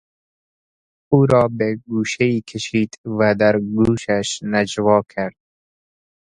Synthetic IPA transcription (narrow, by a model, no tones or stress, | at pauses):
uːɾɔːbeɡuːʃeikʰeʃiːd̪væd̪æɾɡuːʃaʃnad͡ʒwɒːkʰaɾd̪̥̚